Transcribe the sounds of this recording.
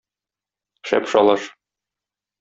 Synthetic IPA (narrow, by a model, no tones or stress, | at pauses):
ʃæ̰pʃɒlˠɑʃ